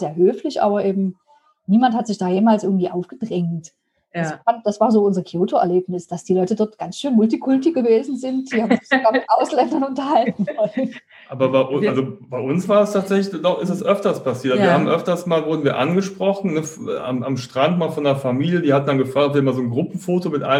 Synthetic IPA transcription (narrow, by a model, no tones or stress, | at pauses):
z̥eːɐɦøːflɪçʔa̰ːbɐʔeːbm̩ | niːmanthatz̥ɪçd̥aːjeːmaːlsʔɪɐɡŋ̩tv̥iːʔaʊfɡ̥ədʁɛŋt | asand̥asv̥aːzoːʊnzɐkʰjoːtoɛ̰ɐleːpnɪsd̥asd̥iːlɔʏtədɔɐtɡ̥ansʃøːnmʊltikʰʊltɪɡ̥əveːzn̩zɪnt̚d̥iːhaːbmmzɪçzoɡaːɐmɪtʔaʊslɛndɐnʊntɐhaltn̩ɔ | ʔaːbɐbaɪʔʔalzob̥aɪʔʊnsv̥aːɐdastʰaːtz̥ɛçlɪçdɔχɪstɛsʔœftɐspʰasiːɐtʔziːɐhaːbmʔœftɐstmaːlvʊɐdn̩viːɐʔanɡəʃpʁ̥ɔχn̩nəfa̰mamʃtʁ̥antmaːlfɔndeɐfamiːljədiːhatn̩danɡəfʁ̥aːktɔpviɐmaːlzoːnɡʁʊpm̩foːtomɪtʔa̰ɪ